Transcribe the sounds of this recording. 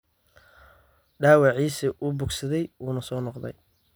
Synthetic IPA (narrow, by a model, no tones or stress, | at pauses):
ɖaːwɑʕiːsɪʔʊbʊɡsɐðɛjuːnɐsɔːnɔqd̪ɛ̰j